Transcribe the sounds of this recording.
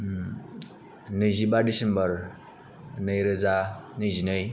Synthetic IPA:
nəjzibaɖisembʌɾ | nəjɾəd͡zanəjzinəj

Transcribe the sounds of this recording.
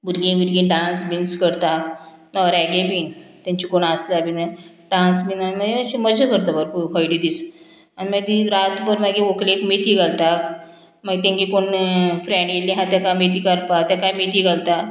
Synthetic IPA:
buɾɡĩbuɾɡĩɖãnsbinskəɾt̪ak | nɔɾaɡebint̪ãɲt͡ɕikoɳaslabina | ɖãnsbinaniməɡeəɕĩməd͡ʑəkəɾt̪abəɾkukʰɔjɽid̪is | animəɡd̪iɾat̪bəɾmaɡẽʋoklekmet̪iɡalt̪ak | məɡt̪ẽŋɡikoɳfɾɛɳɖɡelĩɦãt̪jakamet̪ikəɾpat̪jakajmet̪iɡalt̪a

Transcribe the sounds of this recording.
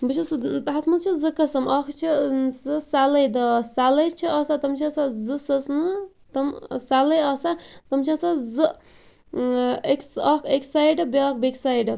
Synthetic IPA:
bɨt͡ʃʰisɦat̪ʰmɐzt͡ʃʰizɨkɐsɐmɐkʰt͡ʃʰisɨsalɐjd̪ɐsalɐjt͡ʃʰiɐsat̪ɐmt͡ʃʰisazɨsɐsnɨ | t̪ɐmsalɐjɐsat̪ɐmt͡ʃʰisazɨ | eksɐkʰeksajɖɨbʲk̚beksajɖɨ

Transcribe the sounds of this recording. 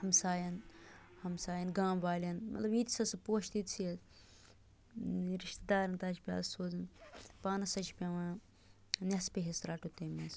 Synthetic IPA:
hɐmsaːjɐnhɐmsaːjɐnɡãːmʋaːlʲɐnmɐ̰t̪lɐbit̪sɐsɐpoːʃt̪it̪sʰiɐ | ɾiʃt̪d̪aːɾɐnt̪ɐt͡ʃʰpʲa̰ːsoːzɐnpaːnɐsɐt͡ʃʰpʲɐʋãː | nʲɐspʲeɦesɾɐʈut̪emɐs

